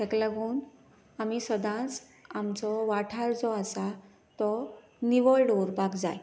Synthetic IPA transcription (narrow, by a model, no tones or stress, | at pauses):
t̪ʰekləɡuːn | amisəd̪ʱãt͡s | amt͡sɔʋaʈʰaɾd͡zɔasa | t̪ɔ | niʋɔɭɽoɾbʱaɡd͡za̰j